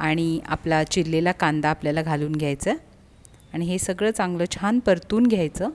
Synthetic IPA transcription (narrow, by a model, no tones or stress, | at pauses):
aɽ̃ia̰plat͡ɕilːelakand̪aːpljalaɡʱaluːnɡʱjajt͡sə | aɽ̃iɦesəɡɭəːt͡sãŋɡləːt͡ɕʰanpəɾt̪uːnɡʱjajt͡səː